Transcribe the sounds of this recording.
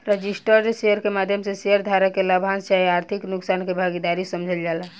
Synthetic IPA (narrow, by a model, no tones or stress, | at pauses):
ɾed͡ʒisʈəɾd͡ʒseəɾkemad̪ʱjəmseseəɾd̪ʱaɾakeləbʱansaiaɾt̪ʰiknuksankebʱaɡid̪aɾisəmd͡ʒʱəld͡ʒala